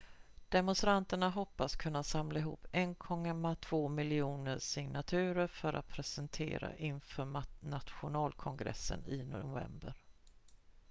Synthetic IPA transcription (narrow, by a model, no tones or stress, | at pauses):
d̪̥ɛmɔnst̪ɾant̪əɳaɦɔpːaskʰɵnːasamlaɪɦṵːpːɛnkʰɔŋamat̪ʰv̥oːmɪlɪuːnəʂɪŋnat̪ʰʉ̟ːɾəɾfœɾʔa̰t̪̚pʰɾɛsɛnt̪ʰḛːɾa̰ʔɪnfœːnat̪ɧʊnɑːlkʰɔŋɡɾɛ̰sːə̰nɪnvɛ̰mbəɾ